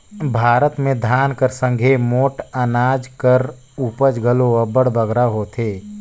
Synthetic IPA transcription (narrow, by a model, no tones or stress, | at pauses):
bʱaːɾət̪mẽd̪ʱaːnkəɾsə̃ŋɡʱemoːʈənaːd͡ʒkəɾ | uːpəd͡ʒɡʱəloəbəɽ̤bəɡɾaɦoːt̪ʰeː